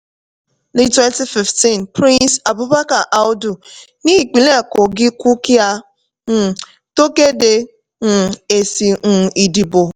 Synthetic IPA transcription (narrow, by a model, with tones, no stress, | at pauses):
ni˦twɛ˦nti˦fi˨fti˦˨n˨pɾĩ˦nsa˨bu˦ba˦ka˨ʔa˦ʊ˦du˨ | ni˦˨k͡pi˨le˦a˨ko˨ɡɪ˦kʷu˦ki˦a˦ | n̩˦˨ | to˦ke˦de˨ | ŋ̩˨e˨si˨ŋ̩˨i˨di˨bo˨